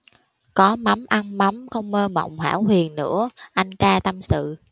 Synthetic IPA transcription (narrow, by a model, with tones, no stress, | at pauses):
kɔ˨˦ma˨˦mʔa˧nma˨˦mxə˧wŋ͡mməː˧mə̰˧˨wŋ͡mhwaː˧˩whwi˨˩ənnɨ̰˧˥əʔa˧jŋ̟t̪aː˧t̪ə˧msɨ̰˧˨